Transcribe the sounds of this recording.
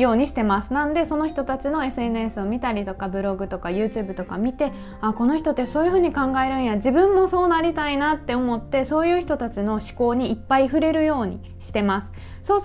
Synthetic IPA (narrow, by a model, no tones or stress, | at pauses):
jo̞ːɲ̟iɕi̥t̪e̞masɨ̥nãnd̪e̞so̞no̞çi̥t̪o̞t̪at͡ɕino̞e̞sɨe̞nɯ̟e̞sɨo̞mʲit̪aɾʲit̪o̞kabɯ̟ɾo̞ɡɯ̟t̪o̞kajɯ̟ːt͡ɕɨ̟ːbɯ̟t̪o̞kamʲit̪e̞ | ako̞no̞çʲi̥t̪o̞t̪ːe̞so̞ːjɯ̟ɸɯ̟ːɲ̟ikãŋɡae̞ɾɯ̟̃ɰ̃jaʑibɯ̟̃mːo̞so̞ːnaɾʲit̪ainat̪ːe̞o̞mo̞t̪ːe̞so̞ːjɯ̟ːçi̥t̪o̞t̪at͡ɕino̞ɕi̥ko̞ːɲ̟iːpːaiɸɯ̟ɾe̞ɾɯ̟jo̞ːɲ̟ḭ | ɕi̥t̪e̞masɨ̥ | so̞ː